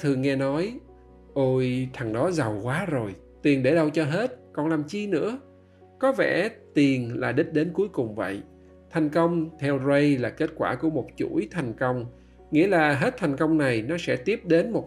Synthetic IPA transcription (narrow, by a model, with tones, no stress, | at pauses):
t̪ʰɨ˨˩ŋɛ˧nɔ˨˦j | ʔo˧jt̪ʰa˨˩ŋɗɔ˨˦za˨˩wkwaː˨˦zo˨˩j | t̪i˨˩ənɗe˧˩ɗə˧wt͡ɕɔ˧ɦe˦˥t̚kɔ˨˩nlaː˨˩mt͡ɕi˧nɨ̰˧˥ə | kɔ˨˦vɛ̰˧˩t̪i˨˩ənlaː˨˩ɗɨ˦˥t̚ɗe˨˦nku˨˦əjkʊ˨˩ŋ͡mvə̰˧˨j | t̪ʰa˨˩jŋ̟kə˧wŋ͡mt̪ʰɛ˧wzə˧jlaː˨˩ke˦˥t̚kwaː˧˩ku˧˩əmo˨˩t̚t͡ɕṵ˧˩˥jt̪ʰa˨˩jŋ̟kə˧wŋ͡m | ŋḭ˧˥əlaː˨˩ɦe˦˥t̚t̪ʰa˨˩ŋ̟kə˧wŋ͡mna˨˩jnɔ˨˦sɛ̰˧˥t̪i˦˥əp̚ɗe˨˦nmo˨˩t̚